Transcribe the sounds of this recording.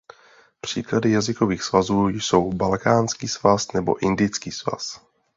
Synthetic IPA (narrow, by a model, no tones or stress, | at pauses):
pr̝̥iːkladɪjazɪkoviːxsvazuːjso̞wbalkaːnskiːsvasnɛbo̰ʔɪndɪjt͡skiːsva̰s